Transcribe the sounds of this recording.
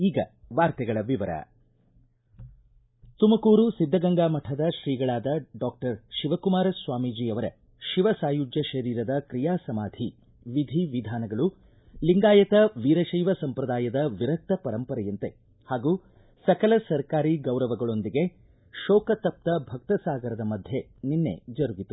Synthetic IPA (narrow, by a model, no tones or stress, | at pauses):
iːɡɐ̰ | ʋaːɾt̪ɛɡɐɭɐʋiʋɐɾɐ̰ | t̪umɐkuːɾusid̪ʱːɐɡɐŋɡaːmɐʈʰɐd̪ɐʃɾiːɡɐɭaːd̪ɐɖaːk̚ʈɐɾʃiʋɐkumaːɾɐsʋaːmiːd͡ʒiːɐʋɐɾɐ̰ | ʃiʋɐsaːjud͡ʒjɐʃɐɾiːɾɐd̪ɐkɾijaːsɐmaːd̪ʱi | ʋid̪ʱiʋid̪ʱaːnɐɡɐɭu | liŋɡaːjɐt̪ɐʋiːɾɐʃɐjʋɐsɐmpɾɐd̪aːjɐd̪ɐʋiɾɐk̚t̪ɐpɐɾɐmpɐɾɐjɐnt̪e | haːɡuː | sɐkɐlɐsɐɾkaːɾiɡɐwɾɐʋɐɡɐɭo̞nd̪iɡe̞ | ʃɔːkɐt̪ɐp̚t̪ɐbʱɐk̚t̪ɐsaːɡɐɾɐd̪ɐmɐd̪ʱje | ninːe̞̰d͡ʒɐɾuɡit̪u